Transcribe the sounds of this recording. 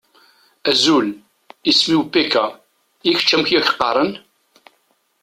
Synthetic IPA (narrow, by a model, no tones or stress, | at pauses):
æzul | ismiwpːikæ | iç̥t͡ʃːæmçjæç̥qːɑ̰ɾˤən